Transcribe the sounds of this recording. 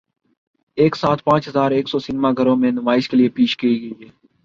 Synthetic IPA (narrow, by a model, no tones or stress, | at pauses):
eːksaːt̪̚ʰpãːt͡ʃɦəzaːɾeːksɔːsɪnɪmaːɡʱəɾõːmẽnʊmaːɪʃkelɪeːpiːʃkiiɡəiːɦɛː